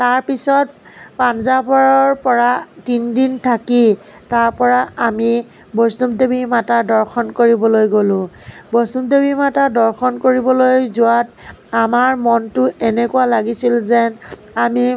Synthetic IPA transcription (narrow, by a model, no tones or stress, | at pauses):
taɹpisɔt̚panzapaɹɔɹpɔɹatindintʰaki | taɹpɔɹaami | bɔstumdebimatadɔɹxʰɔnkoɹibɔlojɡolʊ̃bɔstumdebimatadɔɹkʰɔnkoɹibɔlojzʊwatamaɹmɔntʊɛnɛkualaɡisilzɛn | ami